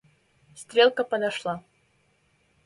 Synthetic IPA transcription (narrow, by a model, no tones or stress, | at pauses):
st̪ɾʲelˠkəpəd̪ɐʂlˠa